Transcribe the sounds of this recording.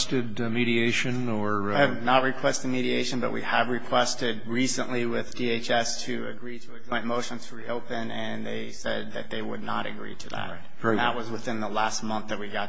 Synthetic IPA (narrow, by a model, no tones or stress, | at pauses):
tɨd | miɾieɪʃɨ̃n | ə˞ | vnət̚ɹɨkʰw̥ɛstɨd̚miɾieɪʃɨ̃nbʌ̰ʔ̚wḭəvɹɨkʰw̥ɛstɪd̚ɹisə̰̃nʔliwɪðdieɪt͡ʃɛstʰɨɨ̰ɡɹiɾɨːd͡ʒɔ̃ɪ̃nmoʊʃɨ̃ntʰəɹioʊpɨ̃nɨ̃nðḛɪsɛ̰d̪̚ðɨ̰t̪̚ðeɪwə̰dⁿnə̰ɾɨ̰ɡɹḭɾʰɨdæ̰ɹɨt̚ | ət̚wʌzwəθɪ̃nðəlæst̚mʌ̃nθðɨt̚wiɡɑt